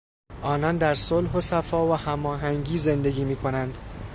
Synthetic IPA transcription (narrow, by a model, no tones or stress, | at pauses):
ʔɒːnɒnd̪æɾsolɦosæfɒːvæhæmɒːɦæŋɟiːze̞nd̪e̞ɡiːmiːkʰo̞nænd̪